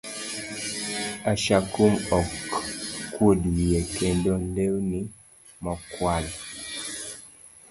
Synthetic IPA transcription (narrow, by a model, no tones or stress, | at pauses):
aʃakumɔkː | wodwiekendɔnlewni | mɔkwal